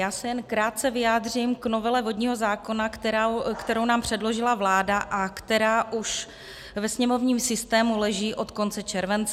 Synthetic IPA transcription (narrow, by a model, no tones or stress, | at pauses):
jaːsɛjɛnkɾaːt̪̚t͡sɛvɪjaːd̪rɪmkno̞vɛlɛvo̞dɲiːɦo̞zaːko̞nakt̪ɛɾakt̪ɛɾo̞wnaːmpr̝̥ɛdlo̞ʒɪlavlaːdaʔakt̪ɛɾaːʔuʃ | vɛsɲɛmo̞vɲiːmsɪst̪ɛːmulɛʒiːʔo̞t̪ko̞nt͡sɛt͡ʃɛɾvɛnt͡s